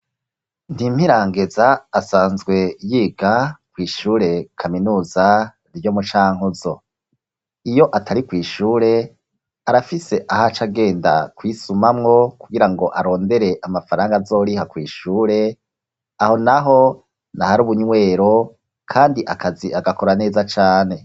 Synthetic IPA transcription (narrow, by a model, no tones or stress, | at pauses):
ndim̥hiɾaːŋɡe̞zaːsaːnzɡwe̞jiːɡakwiːʃuːɾe̞kʰaminuːza | ɾjo̞ːmut͡ʃaːŋ̥uzo | ijo̞ʔatʰaɾikwiːʃuːɾe̞ | aɾafise̞ʔahat͡ʃaɡe̞ːnda̰kwiːsumamŋo̞kuɡiɾaŋɡo̞ʔaɾo̞ːnde̞ɾe̞ʔamafaɾaːŋɡazo̞ːɾihakwiːʃuːɾe̞ | aho̞naɦo̞ | nahaɾuːβuɲwe̞ːɾo̞ | kʰaːndiʔakaziaɡako̞ɾane̞ːzat͡ʃaːne̞